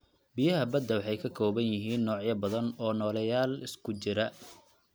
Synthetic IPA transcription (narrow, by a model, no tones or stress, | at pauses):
bijɐɦɐbɐd̪ːɐwɑħɑjkʰɐkʰɔːβɐnjɪɦiːnːɔːʕjɐbɐðɐnɔːnɔːlɐjaːlɪskʰʊt͡ʃɪɾɐ